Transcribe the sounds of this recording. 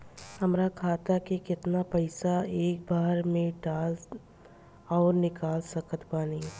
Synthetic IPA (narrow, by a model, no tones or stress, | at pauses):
ɦɐmɾakʰaːt̪akekɪt̪napɐɪsaeːk̚bʱaːɾmẽɖaːl | ɔːɾnɪkaːlsɐkət̪baːniː